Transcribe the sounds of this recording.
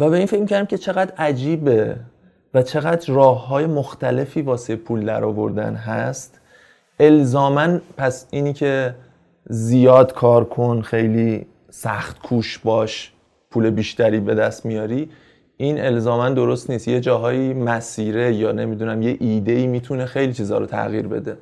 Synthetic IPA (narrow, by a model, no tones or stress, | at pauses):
væbe̞iːnfe̞cmikʰæɾd̪imcʰet͡ʃʰe̞ɣæd̪æd͡ʒiːbe̞ | væt͡ʃʰe̞ɣæd̪ɾrɒːhɦɒːje̞moxt̪æle̞fiːvɒːsepʰuːld̪æ̰ɾɒːvo̞̰ɾd̪æ̰nɦæst̪ | ʔe̞lzɒːmænpʰæsiːnicʰe̞ | zijɒːd̪kʰɒːɾkʰo̞nxe̞jliː | sæxt̪kʰuːʃbɒːʃ | pʰuːle̞biːʃt̪æɾiːbe̞d̪æst̪mijɒːɾiː | ʔine̞lzɒːmænd̪o̞ɾo̞st̪niːst̪je̞d͡ʒɒːɦɒːiːmæsiːɾe̞jɒːne̞mid̪unæmje̞ʔiːd̪e̞iːmiːt̪ʰune̞xejliːt͡ʃʰiːzɒ̰ːɾot̪ʰæ̰ɣiːɾbe̞̰d̪e̞